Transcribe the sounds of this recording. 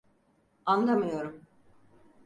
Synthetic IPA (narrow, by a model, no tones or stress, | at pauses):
anlˠamɯjo̞ɾum